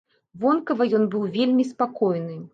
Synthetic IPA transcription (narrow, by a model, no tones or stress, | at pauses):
vɔnkɐvɐjɔnbɨwvʲelʲmʲispakɔjnɨ